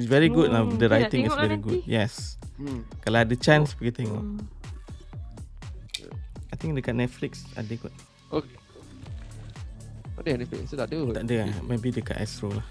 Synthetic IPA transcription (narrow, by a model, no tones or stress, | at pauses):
ɪsvɛɹiɡud̚nadəɹajt̪ĩŋisvɛɹiɡud̚jɛs | kalaadət͡ʃãnsbiɡɛt̪iŋɔ̰ | ajt̪ĩŋdekat̚nɛt̚fliksa̰dekwət̚ | oke | adənɛtflḭksodaduadəamebideka̰ʔa̰stɹolah